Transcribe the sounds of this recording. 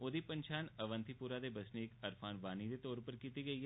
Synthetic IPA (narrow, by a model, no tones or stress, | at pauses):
od̪ipə̃nt͡ʃʰaːnɐʋə̃nt̪ʰipuːɾad̪ebɐsneːkɐɾfʰaːnʋaːnid̪et̪ɔːɾpəɾkiːt̪iɡɐiɦɛ